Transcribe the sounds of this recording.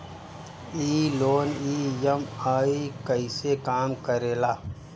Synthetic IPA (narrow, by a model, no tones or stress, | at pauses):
iːloːniːjɐmaːikəɪsekaːmkəɾeːlaː